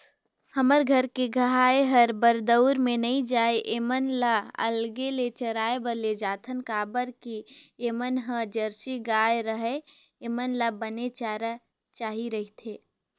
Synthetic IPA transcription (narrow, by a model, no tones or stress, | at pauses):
həməɾɡʱəɾkeɡʱəɦaːeɦəɾbəɾd̪əʊɾmẽnəĩd͡ʒaːeʔeːmənlaə̰lɡelet͡ʃəɾaːebəled͡ʒaːt̪ʰənkaːbəɾkieːmənɦəd͡ʒəɾsiɡaːeɾəɦe | eːmənlabənet͡ʃaːɾa | t͡ʃaːɦiɾəɦit̪ʰeː